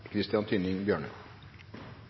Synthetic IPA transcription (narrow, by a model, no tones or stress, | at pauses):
kʰɾɪst̪ɪɑnt̪ʰyːnɪŋbjøːɳə̰